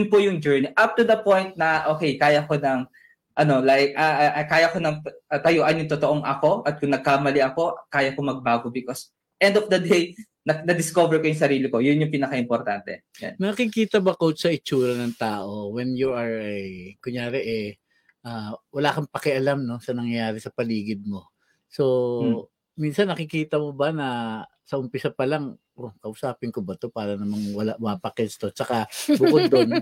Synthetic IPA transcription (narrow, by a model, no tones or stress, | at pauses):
ʊnpʊjʊŋd͡ʒɛɹniʔap̚t̪ud̪ɐpõjnt̪̚nɐʔoːkɛjkaːjɐko̞nɐŋ | ʔɐno̞lajkʔɐʔkːaːjɐkonɐŋʔɐt̪ɐjoːʔɐnjʊŋt̪ot̪o̞ʔoŋʔɐko̞ʔɐt̪̚kʊŋnɐɡ̚kamɐlɪʔɐko̞ʔkaːjɐkomɐɡ̚baːɡobɪkos | ʔɛ̃nd̪ofd̪ɐd̪ej | nɐnɐd̪ɪsko̞vɛɹkojʊŋsɐɾiːlɪko̞jʊnjʊŋpinɐkɐaʔɪmpoɾt̪ant̪ɛ̰ | ɛ̰nnɐkikiːt̪ɐbɐkosɐʔɪt͡ʃuːɾɐnɐŋt̪aːʔo̞wɛnjuʔɐɹɐjkʊŋjaːɾɛʔɛ | ʔaːwɐlaːkɐŋpɐkɛʔɐlamno̞sɐnɐŋjaːɾɛsɐpɐliːɡɪd̪̚mo̞ | so̞ | minsɐnːɐkɪkiːt̪ɐmobɐnɐ | sɐʔʊmpɪsapɐlaŋ | ʔokɐʔʊsaːpɪnkobɐt̪o̞paːɾɐnɐmɐŋwɐlaʔmaːpɐkɛst̪o̞t͡ʃɐkabʊkod̪̚ːon